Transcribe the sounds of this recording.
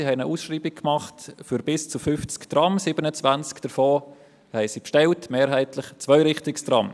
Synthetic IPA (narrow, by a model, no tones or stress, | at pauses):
ihɛɪnəʔuːsʃriːbɪk̚kmɑχtfyɾbɪst͡sufʏft͡skd̥ɾɑmsiːbənət͡svænt͡skd̥əɾfoː | hɛɪsipʃtɛltmeːɾɦæɪtlɪχt͡svœʏɾɪχtɪksd̥ɾɑ̰m